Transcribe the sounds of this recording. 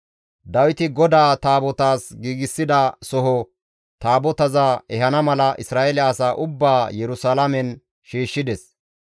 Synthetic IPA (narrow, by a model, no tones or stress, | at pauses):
d̪ɐwɪt̪ɪɡɔd̪aːt̪aːbɔt̪aːsɡiːɡɪsːɪd̪ɐsɔɦɔ | t̪aːbɔt̪ɐzaɛɦɐnɐmɐlɐʔɪsɾaːʔɛlɪɐsaːʔʊbːaːjɛɾʊsalɐmɛn | ʃiːʃːɪd̪ɛs